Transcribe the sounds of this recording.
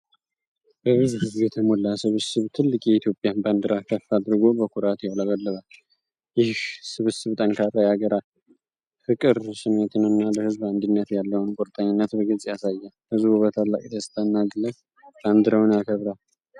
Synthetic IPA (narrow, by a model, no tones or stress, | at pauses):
bəβɨzuhɨzbjɛt̪ʰəmolːasɨβɨsɨβt̪ʰɨlːɨkʼjɛit̪jo̞pʼːjanband̪ɨɾʔakʰəfːad̪ɨɾɡo̞bəkʰʷʊɾat̪jɛwlaβəlːɨt̪ʼal | jɪhhsɨβɨsɨβt̪ʼənkʰarːajaɡəɾal | fɨkʼɨɾsɨmːet̪ʰɨnɨnːaləhɨzband̪inːət̪jalːəwnkʼoɾt̪ʼəɲːɪnːət̪bəɡɨzʼjasajːa | hɨzbuβət̪ʰalːa̰kʼid̪ʰəst̪ʰʼənːaɡɨlə | b̥and̪ɨɾəwnjakʰəβɾal